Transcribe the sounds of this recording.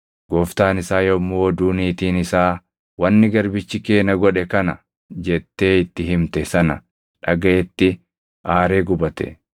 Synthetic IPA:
ɡ̥ɔːft̪aːnɪsaːjɔmːoːd̪uːniːt̪iːnɪsaː | wɐnːɪɡɐɾbɪt͡ʃːɪke̞ːnɐɡɔᶑɛkɐnɐ | d͡ʒɛt̪ːe̞ːɪt̪ːɪɦɪmt̪ɛsɐnɐ̰ | ᶑɐɡɐʔɛt̪ːɪ | ʔaːɾe̞ːɡʊbɐt̪ɛ̰

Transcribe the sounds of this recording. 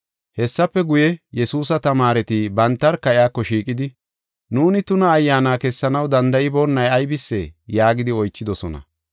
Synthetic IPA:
hɛsːɐpːɛɡʊjɛjɛsuːsɐt̪ɐmaːɾɛt̪ɪbɐnt̪ːɐɾkɐɪaːkːɔʃiːkʼɪd̪ɪ | nuːnɪt̪ʊnɐːjːaːnaːkɛsːɐnɐwd̪ɐnd̪ɐjɪboːnːɐjɐjbɪsːḛːjaːɡɪd̪ɪɔjt͡ʃːɪd̪ɔsɔnɐ̰

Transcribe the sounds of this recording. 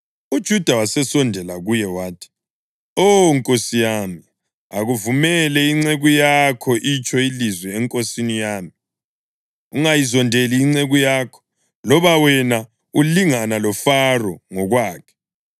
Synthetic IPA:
ud̥ʒ̥ʱud̥ʱawasɛsɔndʱɛlaɣujɛwaːtʰi̥ | oŋkʼosijaːmi | aɣuvumɛlɛiŋ͡ǀeɣujakʰɔʔit͡ʃʰʼɔilizwɛːŋkʼosinijaːmi | uŋajizɔndʱeliːŋ͡ǀeɣujaːkʰɔ̥ | lɔβawɛna | uliŋanalɔfarɔŋɔɣwaːkʰɛ̥

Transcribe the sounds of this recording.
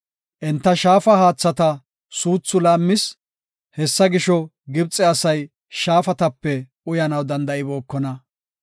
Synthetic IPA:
ʔɛnt̪ːɐʃaːfɐhaːt͡sːɐt̪ɐ | suːt͡sːʊlaːmːɪs | hɛsːɐɡɪʃɔ | ɡɪbt͡sʼːɛɐsɐj | ʃaːfɐt̪ɐpːɛʔʊjɐnɐwd̪ɐnd̪ɐɪbo̞ːkːɔnɐ

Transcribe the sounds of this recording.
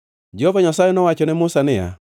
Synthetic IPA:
d͡ʒɔvaɲasajɛnɔwat͡ʃɔnɛmʊsanɪja̰

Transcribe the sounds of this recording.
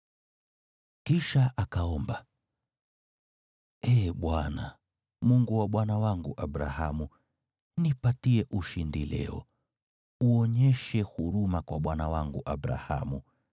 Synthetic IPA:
kiʃaʔakaɔmba | ɛːɓwana | muŋɡuwaɓwanawaŋɡuʔabɾa̰hamu | nipatiɛʔuʃindilɛ̰ɔ̰ | uɔɲɛʃɛhuɾumakwaɓwanawaŋɡuʔabɾa̰ha̰mu

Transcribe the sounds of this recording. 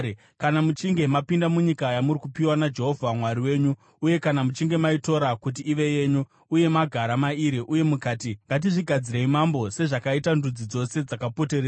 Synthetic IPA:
kanamut͡ʃiŋɡe̞mapindamuɲikajamuɾikupiwanad͡ʒe̞ɦo̞vʱamwaɾiwe̞ːɲuː | je̞kanamut͡ʃiŋɡe̞maito̞ɾakut̬iːʋe̞je̞ːɲu | uje̞maɡʱaɾamaiɾiʔuje̞mukaːtiŋɡat̬iʐiɡʱad͡ziɾeimambo̞se̞ʐakaitandud͡zid͡zo̞se̞d͡zakapo̞teɾeːa

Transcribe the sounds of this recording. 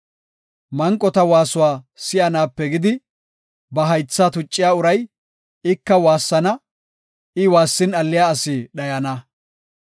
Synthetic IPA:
mɐŋkʼːɔt̪ɐwaːsʊwaː | sɪjɐnaːpːɛɡɪd̪ɪ | bɐɦɐjt͡sːat̪ʊt͡ʃʼːɪjaːʊɾɐj | ɪkːɐwaːsːɐnɐ | ʔɪwaːsːɪnɐlːɪjaːɐsɪɗɐjɐnɐ

